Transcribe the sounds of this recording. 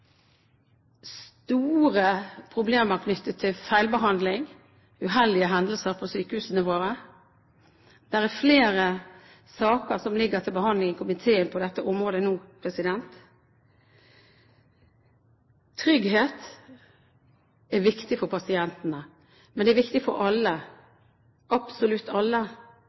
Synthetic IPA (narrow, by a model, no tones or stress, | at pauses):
st̪uːʁəpʰʁʊbleːməɾkʰnʏt̪ːət̪ʰːɪlfæɪlbəɦɑnd̪lɪŋ | ʉɦɛld̪ɪəɦɛnd̪əl̩səɾpʰɔsyːkəhʉːsənəʋoːɾə | d̪̥æʁæfleːɾə | sɑːkəɾsɔmlɪɡəɾt̪ʰɪlbəɦɑnd̪lɪŋəkʰʊmɪt̪ʰeːənpʰɔd̪ɛt̪ːəʔɔmʁoːd̪ənuːpʰɾɛsɪd̪ɛnt̪ | ɾʏɡheːt̪ | æʋɪkt̪ɪfɔɾpʰɑsɪɛnt̪nə | mɛnɛɛɾʋɪkt̪ɪfɔɾʔɑlːə | ʔɑpsɔlʉt̪ːɑlːə